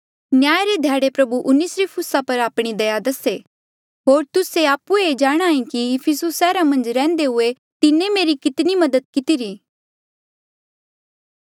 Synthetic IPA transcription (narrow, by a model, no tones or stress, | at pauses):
njaːjɾed̪ʱjaːɽepɾɐbuʔʊnɪsɾipʰʊsapɐɾaːpɽ̃id̪ɐjad̪ɐse | ɦoːɾt̪ʊseaːpueed͡ʒaːɽ̃aːĩkiɪpʰisʊsːɛːɾamɐ̃nd͡ʒɾɛ̃ːnd̪eɦʊe | t̪ɪnẽmeːɾikɪt̪nimɐd̪əd̪̚kɪt̪iɾiː